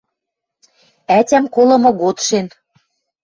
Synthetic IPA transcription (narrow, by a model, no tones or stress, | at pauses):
ætʲæmkolɤ̆mɤ̆ɣot̪ʃen